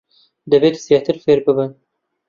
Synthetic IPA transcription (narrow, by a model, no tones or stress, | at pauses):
d̪ɐveːt̪sijɑt̪ʰɨɾfeːɾbɨbɨn